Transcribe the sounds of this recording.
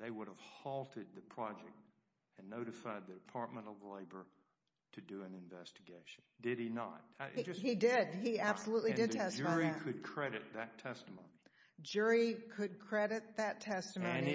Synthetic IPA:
ðeɪwʊɾəv̥hɔlˠtʰɨd̪̚ðɨpʰɹ̥ɑd͡ʒɛk̚t̚ | ɨ̃nːoʊɾɨfaɪd̪̚ðidɨpʰɑɹt̚mə̃ntʌvleɪbə˞ | ɾɨdɨɨ̃nɨ̃ɱvɛstɨɡeɪʃndɪɾ̚inə̰t̚idɪd̚iæb̥səluʔlidɨdtʰɛstɹikʰɨd̚kʰɹ̥ɛɾɨt̪̚ðɨtʰɛstəmõʊ̃ni̥ | d͡ʒʊɹikʰɨd̚kʰɹ̥ɛɾɨt̪̚ðɨtʰɛstɨmõʊ̃ni

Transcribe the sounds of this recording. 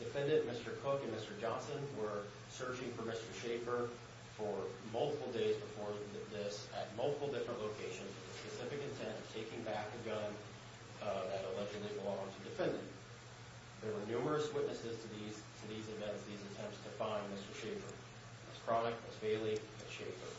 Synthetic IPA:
d̥ɨfɛ̃ndɨ̃nmɪstə˞kʰʊkɨ̃nmɪstə˞d͡ʒɑ̃nsɨ̃nwə˞ | sɜ˞d͡ʒɪ̃ŋfə˞mɪstə˞ʃeɪfə˞ | fə˞mʌlˠtəpl̩ˠdeɪzbəfɔɹðɪsɨ̰t̚mʌlˠtə̥pl̩ˠdɪfɹə̃nʔloʊkʰeɪʃɨ̃nzɨtðɨspɨsɪfɨkɨ̃ntʰɛ̃ntʌv̥tʰeɪkɪ̃ŋbæk̚ɨɡʌ̃n | ðɨɾəlɛd͡ʒɨdˡlibəlɔ̃ŋtʰɨdɨfɛ̃ndɪ̰̃ŋ | ðə˞wə˞nʉmə˞ɨswɪʔⁿnɨsɨz̥tʰɨðiz | tʰɨðizɨvɛ̃ntsðizɨtʰɛ̃mptstʰɨfãɪ̃nmɪstə˞ʃeɪfə̰˞ | ɨz̥kʰɹ̥ɑnɨk̚wʌ̰z̥feɪlˠi | ɨtʃeɪfə̰˞

